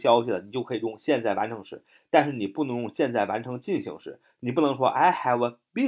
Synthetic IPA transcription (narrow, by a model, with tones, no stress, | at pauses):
ɕjɑ˥ʊɕi˨˩lə˩ni˨˩t͡ɕo˥˩kʰɤ˧˥i˨˩jʊ˥˧ŋɕjɛ˥˧nt͡sa˥˩ɪwa̰˧˥nʈ͡ʂʰɤ˧˥ŋʂɻ̩˥˩ | t̪a˥˧nʂɻ̩˥˩ni˨˩pu˥˩nɤ˧˥ŋjʊ˥˧ŋɕjɛ˥˧nt͡sa˥˩ɪwa˧˥nʈ͡ʂʰɤ˧˥ŋt͡ɕi˥˩nɕḭ˧˥ŋʂɻ̩˥˩ | ni˨˩p̬u˥˩nɤ˧˥ŋʂwɔ̰˥ʔa˥˩ɪxa˧˥˩ɪwə˧pi˥